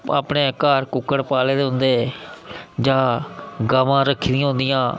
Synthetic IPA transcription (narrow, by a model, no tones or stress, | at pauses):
a̰ːpneːkaːɾkʊkːəɽpaːleːd̪eʊnd̪eː | d͡ʒãːɡaːʋãːɾəkʰːid̪ijãɦʊ̃nd̪ɪjãː